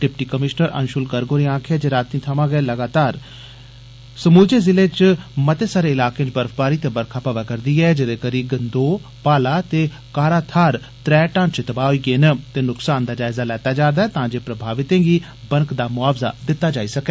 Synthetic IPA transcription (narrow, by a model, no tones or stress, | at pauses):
ɖɪpʈiːkəmɪʃnəɾə̰nʃʊlɡəɾɡoːɾiãːkʰeɛːd͡ʒeːɾaːt̪ːĩːt̪ʰəmãːɡəɛːləɡaːt̪aːɾ | səmuːd͡ʒeːzɪleːt͡ʃmət̪eːsaːɾeːɪlaːkẽt͡ʃbəɾəfbaːɾiːt̪eːbəɾkʰaːpaːʋaːkəɾd̪iːɛːd͡ʒɪd̪eːkəɾiːɡənd̪oː | paːlaːt̪eː | kaːɾaːt̪ʰaːɾ | t̪ɾɛːʈãːnt͡ʃɪt̪əbaːoiːɡeːnət̪eːnʊksaːnd̪aːd͡ʒaːɪzaːlɛːt̪aːd͡ʒaːd̪aːɛːt̪ãːd͡ʒeːpɾəbʱaːʋɪt̪ẽːɡiː | bəŋkd̪aːmʊaːbza̰ːd̪ɪt̪ːaːd͡ʒaːiːsəkɛː